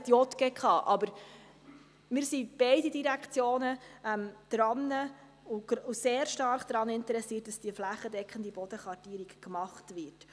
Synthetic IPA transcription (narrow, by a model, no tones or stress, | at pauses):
tjɔt̪ɡ̥ekʰɑːʔɑbəɾ | mɪːɾsib̥ɛɪdidiɾækt͡sjoːnəɛmd̥ɾɑnːə | uɡuseːɾʃtɑrχd̥ɾɑnɪntəɾɛsiːət̚d̥ɑsd̥iəflæχədɛkχəndibɔd̥əχʋɑrtiːɾikkmɑχtvʋɪt